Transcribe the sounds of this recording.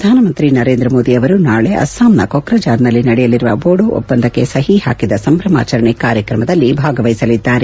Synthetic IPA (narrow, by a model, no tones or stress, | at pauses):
ɐd̪ʱaːnɐmɐnt̪ɾinɐɾeːnd̪ɾɐmoːd̪iɐʋɐɾunaːɭeʔɐ̰saːmnɐ̰kokɾɐd͡ʒaːɾnɐlːinɐɽɛjɐliɾuʋɐ̰boːɽuʔɔ̰pːɐnd̪ʱɐkːe̞̰sɐɦiha̰ːkid̪ɐsɐmbɾɐma̰ːt͡ʃɐɾɐɳikaːɾjɐkɾɐmɐd̪ɐlːibʱaːɡɐʋɐjisɐlid̪ːaːɾe